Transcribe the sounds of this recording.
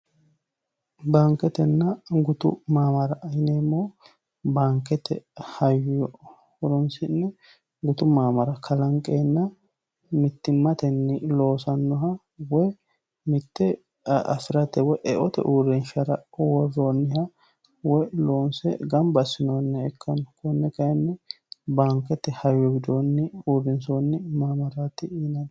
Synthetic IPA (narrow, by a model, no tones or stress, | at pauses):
baŋkɛt̪ɛnːɐɡʊt̪ʊ̰maːmɐɾɐʔːjneːmːoː | baːŋkːɛt̪ɛ̰hɐjjɔ | hʊɾɔnsɪnːɛ | ɡʊt̪ʊmaːmɐɾɐkʰɐlɐŋkʼeːnːɐ | mɪt̪ːɪmːɐt̪ɛnːɪlo̞ːsɐnːɔɦɐ | wɔj | mɪt̪ːɛ | ɐ̰fɪɾɐt̪ɛwɔjʔɛʔɔt̪ɛ̰ʔuːɾɛnʃɐɾɐ̰wɔrːoːnːɪhɐ | wɔjlo̞ːnsɛ̰ɡɐmbɐsːɪnoːnːɛɛkʰːɐnɔkʊnːɛkɐjɛnːɛ | baːŋkːɛt̪ːɛhɐjːɔɡɪd̪onːɪuːɾɪnsoːnːɪmaːmɐɾat̪ɪiːnɐn